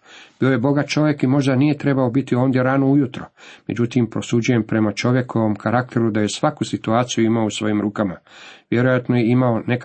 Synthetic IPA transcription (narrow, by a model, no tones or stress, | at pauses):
b̥io̞je̞bo̞ɡat̪̚t͡ʃo̞ʋje̞kimo̞ʒd̪anije̞t̪ɾe̞bao̞bit̪io̞ːnd̪je̞ɾaːnoujut̪ɾo̞me̞d͡ʑut̪impɾo̞sud͡ʑuje̞mpɾe̞mat͡ʃo̞ʋje̞kʰo̞ʋo̞mkʰaɾak̚t̪ʰe̞ɾud̪aje̞sʋakusit̪uaːt̪sijuimaousʋo̞jimɾuːkamaʋje̞ɾojat̪nojeimaone̞k